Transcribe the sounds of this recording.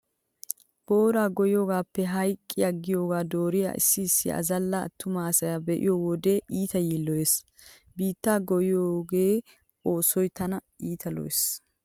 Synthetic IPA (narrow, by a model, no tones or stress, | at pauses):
b̥o̞ːɾaːɡɔjɪjoːɡaːpːɛɦɐjkʼːɪjaɡɪjo̞ːɡaːd̪o̞ːɾɪja̰ːʔɪ̰sːɪːsːɪ̰ʔɐ̰zɐlːɐɐ̰t̪ːʊmaːsɐjɐbɛʔɪ̰jɔwɔd̪e̞ːʔiːt̪ɐjiːlːɔjes | biːt̪ːaːɡɔjɪjoːɡe̞ː | o̞ːsɔjt̪ɐnɐʔiːt̪ʰɐlɔ̰jḛs